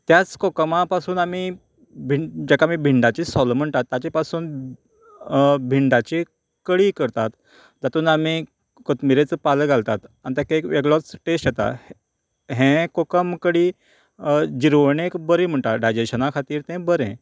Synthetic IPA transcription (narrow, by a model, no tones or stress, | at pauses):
t̪jat͡skokmapasuːnami | bʱid͡ʑɛkamiːbʱiɳɖat͡ɕisɔlm̤əɳt̪at̪ːat͡ɕepasuːn | bʱiɳɖat͡ɕi | kəɽiːkəɾt̪at̪ | d͡zat̪uːnami | kət̪miɾet͡səpaləɡʱalt̪at̪anit̪jakekʋeɡɭɔt͡sʈesʈjet̪a̰ | ɦɛ̃kokəmkəɽiː | d͡ʑiɾʋɳekbəɾiːm̤əɳt̪aɖajd͡ʑeɕənakʰat̪iːɾt̪ɛ̃bəɾɛ̰̃